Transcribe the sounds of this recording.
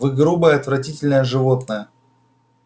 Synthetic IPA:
vɨɡɾubəjəɐt̪vɾɐtʲitʲɪlʲnəjəʐɨvo̞t̪nəjə

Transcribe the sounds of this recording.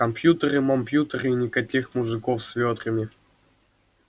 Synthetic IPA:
kɐmpjut̪əɾɨmɐmpjut̪əɾɨinʲɪkɐkʲixmʊʐɨkofsvʲot̪ɾɨmʲɪ

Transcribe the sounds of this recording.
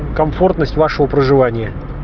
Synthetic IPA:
kɐmfo̞rt̪nəsʲtʲvaʂɨvəpɾəʐɨvanʲɪjə

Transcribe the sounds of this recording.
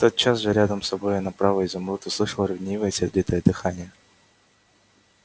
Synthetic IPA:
t̪ot̪̚t͡ɕasʐɨɾʲad̪əmsɐbojɪnɐpɾavəizɐmɾut̪ʊslˠɨʂəlˠəɾʲɐvnʲejvəjəsʲɪrd̪ʲit̪əjəd̪ɨxanʲɪjə

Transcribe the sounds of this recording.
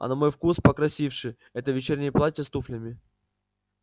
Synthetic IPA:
ɐ̰nɐmojfkuspəkɾɐsʲifʂɨ | ɛt̪əvʲɪt͡ɕernʲɪjplˠat̪ʲəst̪uflʲəmʲɪ

